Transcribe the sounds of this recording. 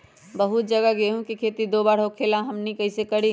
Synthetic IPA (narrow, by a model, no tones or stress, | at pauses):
bəɦut̪̚d͡ʒəɡəɡeɦũkikʰeːt̪id̪obaːɽ̤ɦokʰelãɦəmnikəɪsekəɽi